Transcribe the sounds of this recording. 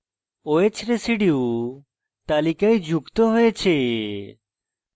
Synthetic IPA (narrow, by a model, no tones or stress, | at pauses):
oet͡ʃʰɾesiɖiw | t̪alikajd͡ʒukt̪oɦojet͡ɕʰe